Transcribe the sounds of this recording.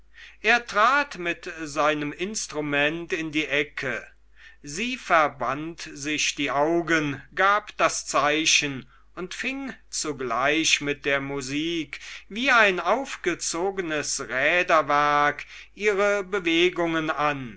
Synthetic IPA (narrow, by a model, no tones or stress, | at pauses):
ʔeːɐtʁ̥aːtmɪtzaɪnəmɪnstʁ̥umɛntɪndiːʔɛkʰə | ziːfɛɐbantzɪçd̥iːʔaʊɡənɡaːpd̥ast͡saɪʃən | ʊntfɪŋt͡suɡlaɪʃmɪt̚d̥eːɐmuziːkviːaɪnaʊfɡ̥ət͡soːɡənəsʁɛːdɐvɛɐkʔiːʁəbəveːɡʊŋənan